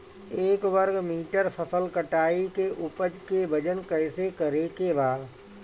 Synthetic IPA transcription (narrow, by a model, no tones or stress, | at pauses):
eːkʋəɾɡmiːʈəɾfʰɐsəlkəʈaːikeʔʊpəd͡ʒkebəd͡ʒənkɛːɪsekɐɾekebaːd̪